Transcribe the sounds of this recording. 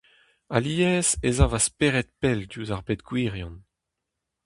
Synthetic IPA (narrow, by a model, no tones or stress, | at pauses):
aliːɛːzezavaspeːʁɛt̪̚pɛldjuːzaʁbet̪ɡwiːʁjɔ̃n